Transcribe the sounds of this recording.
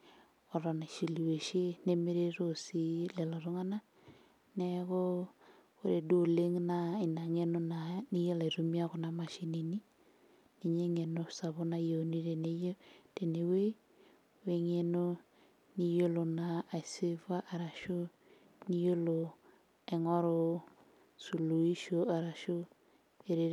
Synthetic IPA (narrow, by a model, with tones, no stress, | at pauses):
ɔ˨ɾɔ˨na˨ʃe˨li˨we˨ʃe˦ne˦me˦ɾe˦ɾosi˦lɛ˨lɔ˨ɾo˦ŋa˦na˦ | nɛɣo˦ | o˦ɾe˨do˨le˦ŋna˨i˨na˨ŋe˦no˦na˨ni˦jo˦la˨i˨ɾo˦mi˦a˦ɣo˨na˨ma˨ʃi˦ni˨ni˦ | ni˨ɲe˦ŋe˨no˦sa˨βo˦na˦jo˨ni˦ɾe˨ne˦jo˦d̥e˨ne˨we˦ | we˨ŋe˨no˦ | ni˦jo˦lo˨na˨a˨se˦va˦ʔa˨ɾa˨ʃo˦ | ni˦jo˦lo˨ | ɛ˨ŋɔ˦ɾo˦ | su˨lu˨i˦ʃo˨a˨ɾa˨ʃo˦ | e˨ɾe˨